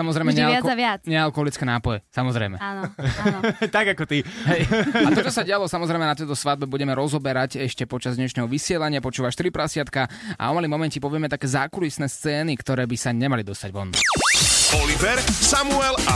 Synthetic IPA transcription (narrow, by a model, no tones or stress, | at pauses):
samɔzɾɛjmɛɲɛɪaaʋɪat͡sɲɛalkɔɦɔlit͡skɛːnaːpɔjɛsamɔzɾɛ̰jmɛnɔ | t̪aɡakɔt̪iɦɛjatt̪ɔt͡ʃɔsaɟɛalɔsamɔzɾɛjmɛnat̪ɛjt̪ɔsʋad̪̚bɛbuɟɛmɛɾɔzɔbɛɾacɛʃcɛpɔt͡ʃazd̪ɲɛʃnɛːɦɔʋisɪɛlaɲɪapɔt͡ʃuːʋaʃt̪ɾipɾasɪat̪kaʔa̰ɔmalimɔmɛncɛpɔʋɪɛmɛt̪akɛːzaːkulisnɛːst͡sɛːnikt̪ɔɾɛːbisaɲɛmalid̪ɔst̪aɟʋɔnːa̰ | ɔlivɛɾsamuɛla